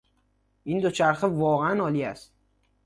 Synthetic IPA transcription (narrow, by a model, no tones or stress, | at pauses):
ind̪ot͡ʃʰaɾχɪvɒːʁeænɒlijast̪